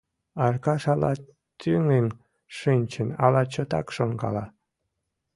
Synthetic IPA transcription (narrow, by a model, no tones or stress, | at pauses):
ɑrkɑʃɑlɑ̰ | t̪yŋen | ʃinʲt͡ɕənɑlɑt͡ɕot̪ɑ̰kʃoŋɡɑ̰lɑ